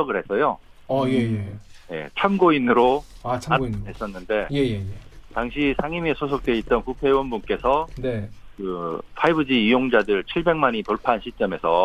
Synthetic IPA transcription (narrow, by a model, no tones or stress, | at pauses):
ʌɡɯɭɦe̞s͈ʌjo | eje̞̰t͡ɕʰamɡoinɯɾoaɦes͈ʌnːɯnde̞jejejetaŋɕʰisʰaŋimesʰos̬ʰok̚t͈we̞it̚t͈ʌnkupʰe̞wʌnbunk͈e̞sʰʌnekɯpʰaibɯd͡ʑiijoŋd͡ʑadɯɭt͡ɕʰiɭbe̞ŋmaɲitoɭpʰanɕʰit͡ɕ͈ʌme̞sʰʌ